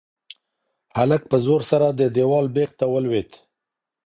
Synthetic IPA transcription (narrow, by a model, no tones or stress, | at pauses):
halək̚pəzoɾsaɾad̪əd̪ewɑlbeqt̪awəlwet̪